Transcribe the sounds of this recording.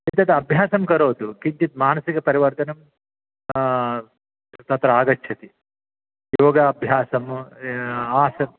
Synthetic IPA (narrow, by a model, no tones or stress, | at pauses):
it̪ɐt̪ɐɐbʱjaːsɐmkɐɾoːt̪ukint̪it̪̚maːnɐsikɐpɐɾiʋɐɾt̪ɐnɐm | t̪ɐt̪ɾɐaːɡɐtːʰɐt̪i | joːɡɐɐbʱjaːsɐm | aːsɐm